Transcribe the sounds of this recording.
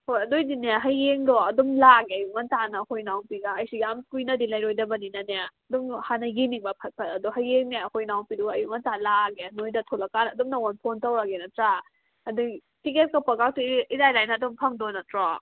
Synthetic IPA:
hojɐdojdinaɦajːeŋdɔɐdɔmlaɡeɐjumantanɐkojnawpiɡaːjsiɡamkujnɐdilajɾojdɐbɐninaneaɐdɔmhanaɡiniŋbapʰɐt̚pʰɐtɐduɦajːeŋneɐkʰojnawpiduɡɐjumɐntalaɡenojdɐtʰɔlakanɐdɔmnɐɔnpʰontawɾaɡenɐtɾa | ɐdu | tiket̚kapɐɡak̚tuizajlajnaːdɔmpʰɐŋdɔnɐtɾɔ

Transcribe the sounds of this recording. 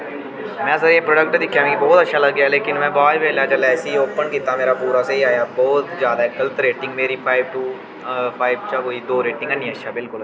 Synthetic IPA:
mɛ̃ːsəɾeːpɾoːɖək̚ʈd̪ɪkʰːjãːkibɔːt̪ətːʃʰaːləɡːjaːleːkɪnmɛ̃ːbaːjbʱeːlaːt͡ʃəlɛːɪsioːpənkiːt̪aːmeːɾaːpuːɾaːseiaːjaːbɔːt̪zjaːd̪aɪkəlt̪ɾeːʈɪ̃ŋɡmeːɾiːpʰaːɪbʈuː | pʰaːɪbt͡ʃakoːiːd̪oːɾeːʈɪ̃ŋɡɛnĩətːʃʰaːbɪlkʊl

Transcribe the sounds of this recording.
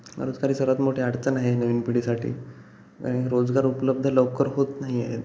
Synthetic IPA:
ɾod͡zɡaɾiːsəɾʋat̪moʈʰeaɽt͡sənaɦenəʋiːnpiɽiːsaʈʰḭː | ə̰eɾod͡zɡaɾupləb̚d̪ʱələʋkəɾɦot̪naɦiae

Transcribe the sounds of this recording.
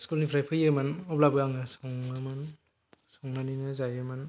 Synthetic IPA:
skulnipʰɾajpʰɯjɯmanɔblabɯaŋɯsɔŋaman | sɔŋnaninɯzajɯman

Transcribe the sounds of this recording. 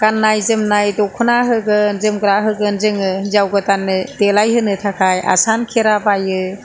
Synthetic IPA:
ɡ̥anːajzɯmnajdɔkʰunaɦɯɡɯnzɯmɡɯɾaɦɯɡɯnzɯŋɯzawɡɯtanːɯdelajɦɯnɯtʰakʰaja̰sankʰeɾabajɯ

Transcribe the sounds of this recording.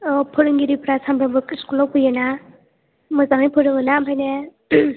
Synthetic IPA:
ɔpʰɔɾɯŋɡiɾipɾasʰambʰɾabɯkiskulɔpɯjena | mɯzaŋijpʰɯɾɯŋɯnambʰʱajne

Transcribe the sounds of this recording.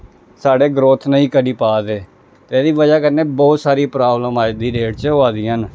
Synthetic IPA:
saːɽeːɡɾoːt̪ʰnəĩːkəɖiːpaːd̪eː | t̪eɛːd̪iːʋəd͡ʒaːkəɾneːbɔːt̪saːɾiːpɾaːbləmaːd̪iːɾeːʈt͡ʃəɦoːaːd̪iːən

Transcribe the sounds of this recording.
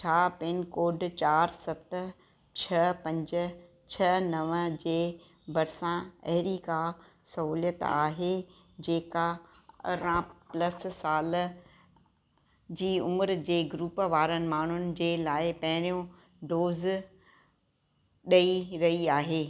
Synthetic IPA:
t͡ɕʰaːpeːnkoːɖt͡ɕaːɾsɐt̪̆ | t͡ɕʰɐpɐ̃ɲd͡ʑʊ̆ | t͡ɕʰɐnɐʋd͡ʑeː | bɐɾsãɐ̰ɦɪɾika | sɐɦuːlijət̪aːɦe | d͡ʑeːka | ɐ̰ɾãplɐssaːl | d͡ʑiːʊməɾd͡ʑeːɡɾuːpʋaːɾənɪ̆maːɳ̤ʊnɪ̆d͡ʑeːlaːɪpɐ̃ɦɪɾijõ | ɖoːz | ɗɐiɾɐɦiaːɦeː

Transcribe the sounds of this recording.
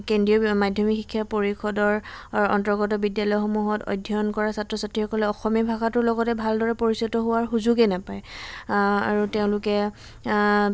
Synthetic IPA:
kendɹiɔmadʱjɔmikxikʰːjapoɹixɔdɔɹɔ̰ntɔɹɡɔtɔbidjalɔjɔxomuɦɔtɔ̰jdʱːɔɔnkɔɹasatɹɔsatɹixʰɔkɔlɛɔxɔmijabʱaxatʊɹlɔɡɔtɛbʱaldɔɹɛpoɹisɔtɔɦʊwaɹxuzuɡɛnapaɹɛ | aɹuteʊ̃lʊkɛ

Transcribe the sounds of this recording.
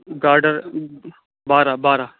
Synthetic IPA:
ɡaːɾɖəɾ | baːɾabaːɾaː

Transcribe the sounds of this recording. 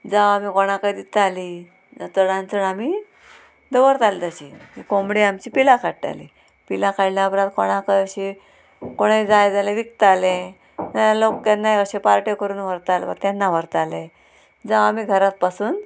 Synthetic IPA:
d͡zaʋamikoɽ̃ãkajd̪it̪ali | t̪əɽãnt͡səɳamiː | d̪əʋəɾt̪alid͡z̪aɕḭɦikomɽiamt͡ɕiːpilakʰaʈʈa̰lḭ | pilakʰajlaəpɾat̪koɽ̃akəjəɕi | koɽ̃ejd͡zajd͡zaleʋik̚t̪alẽ | naalokːanːajəɕepaɾʈekəɾuːnʋəɾt̪al̰bə̰kt̪janːaʋəɾt̪alẽ | d͡zaʋamiːɡʱəɾat̪̚pasuːn

